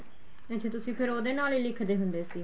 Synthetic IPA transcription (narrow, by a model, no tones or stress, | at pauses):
ɛ̃t͡ʃʰẽːt̪ʊsĩːpʰɪɾoːd̪eːnaːliːlɪkʰd̪eːɦʊ̃nd̪eːsiː